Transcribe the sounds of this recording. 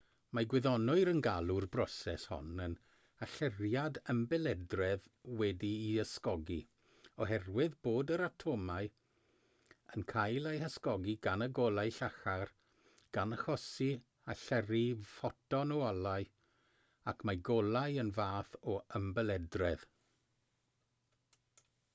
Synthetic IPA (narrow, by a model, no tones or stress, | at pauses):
maɡwɪðɔnʊɨɾənɡalˠʊrbrɔsɛshɔ̰nən | aɬɛrjadəmbɛlˠɛdrɛð | wɛdiːəskɔɡi | ɔɦɛrwɪðboːdəɾatʰoːmaɨ | ənkʰajlˠejhəskɔɡiɡanəɡɔlˠaɨɬaxar | ɡ̥anəxɔsi | aɬɛrifɔtɔnɔalˠaɨ | akʰmajɡɔlˠajənvaːθɔəmbɛlɛdrɛð̥